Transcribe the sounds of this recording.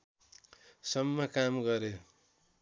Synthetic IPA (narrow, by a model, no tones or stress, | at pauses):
sʌmːʌkamɡʌɾe